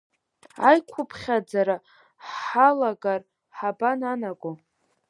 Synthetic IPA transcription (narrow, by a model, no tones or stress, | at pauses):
ajkʷʰʊpʰχʲad͡zaɾa | ħalaɡar | ħabananakʷʼo